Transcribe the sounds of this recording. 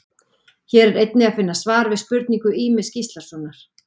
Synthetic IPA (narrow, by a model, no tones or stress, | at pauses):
çɛːɾɛɾejt̪̚nɪaðfɪnːasvaːɾvɪðspʏɾt̪niŋkʏiːmɪscist̪laɾsɔːnːaɾ̥